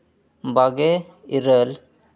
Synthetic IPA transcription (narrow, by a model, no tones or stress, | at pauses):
baɡe | iɾəl